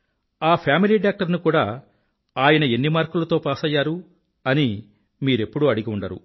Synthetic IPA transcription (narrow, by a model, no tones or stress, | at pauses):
aːpʰjaːmiliːɖaːk̚ʈɐɾnukuːɽaː | aːjɐnɐe̞nːimaːɾkulɐt̪o̞ːpaːsɐjːaːɾu | ɐni | miːɾe̞pːuɽuɐɽiɡiuɳɖɐɾṵ